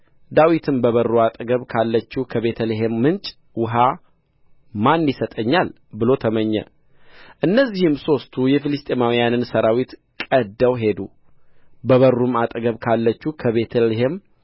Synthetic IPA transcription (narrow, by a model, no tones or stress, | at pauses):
d̪awit̪ʰɨmbəβərːuat̪ʼɡəβkʰalːət͡ʃːukʰəβe̞t̪ʰəleɦemːɨnt͡ʃʼ | wʊɦa | manːisət̪ʼəɲːal | bɨlo̞t̪ʰəməɲːɛ̰ | ʔɨnːəzːihɨmso̞st̪ʰujɛfilɨst̪ʼemawijanɨnsəɾawit̪ | kʼəd̪ːəwɦe̞d̪u | bəβərːumat̪ʼɡəβkʰalːət͡ʃːukʰəβe̞t̪ʰəlɦem